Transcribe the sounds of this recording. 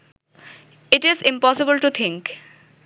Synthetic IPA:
ɪʈɪzɪ̃mpɔsɪbəlʈut̪ʰɪ̃ŋk

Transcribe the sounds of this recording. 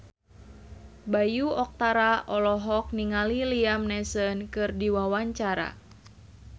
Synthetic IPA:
bajuɔk̚t̪aɾaʔɔlɔɦɔk̚niŋaliliamnɛsənkɨrdiwawaɲt͡ʃaɾa̰

